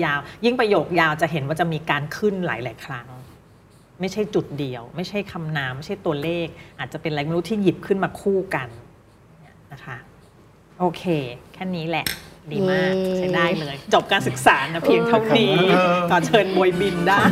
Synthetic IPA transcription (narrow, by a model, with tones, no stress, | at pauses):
jaː˧wji˥˩ŋpɾa˧joː˨˩k̚jaː˧wt͡ɕa˨˩ɦe˩˦nwaː˥˩t͡ɕa˨˩miː˧kaː˧nkʰɯ˥˩nla̰ː˩˦jla̰ː˩˦jkʰɾa˦˥ŋ | ma˥˩jt͡ɕʰa˥˩jt͡ɕu˨˩t̪̚di˧əwma˥˩jt͡ɕʰa˥˩jkʰa˧mnaː˦mːa˥˩jt͡ɕʰa˥˩jt̪u˧ɐleː˥˩k̚ʔaː˨˩t̪̚t͡ɕa˨˩pe˧nlaː˨˦˥ma˧nu˦˥t̪ʰːiː˥˩ji˨˩p̚kʰɯ˥˩nmaː˧kʰuː˥˩ka˧n | ni˦˥˩ɐna˦˥kʰa˦˥ | ʔoː˧kʰeː˧kʰɛː˥˩niː˦˥lɛ˨˩diː˧maː˥˩t͡ɕʰa˦˥jdaː˥˩jlɤː˧jt͡ɕo˨˩p̚kaː˧nsɯ˨˩k̚saː˩˦na˦˥pʰi˧əŋt̪ʰa˥˩wniː˦k̪ɔː˨˩t͡ɕʰɤː˧nbo˧jbi˧ndaː˥˩